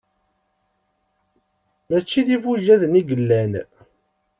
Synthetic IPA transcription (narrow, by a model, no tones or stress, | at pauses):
mæt͡ʃːiðivuʒæðəniɡəlːæn